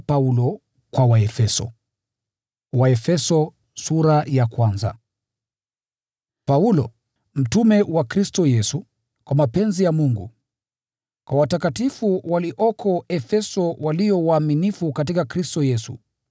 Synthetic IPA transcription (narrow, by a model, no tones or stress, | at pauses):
paulɔ | kwawaɛfɛsɔ̰ | waɛfɛsɔ | suɾajakwanza̰ | paulɔ | m̩tumɛwakɾistɔjɛsu | kwamapɛnzijamuŋɡṵ | kwawatakatifuwaliʔɔkʰɔɛfɛsɔwaliɔwaːminifukat̬ikakɾistɔjɛsṵ